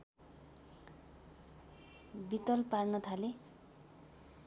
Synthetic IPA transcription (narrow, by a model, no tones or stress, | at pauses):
bit̪ɔlpaɾnʌt̪ʰale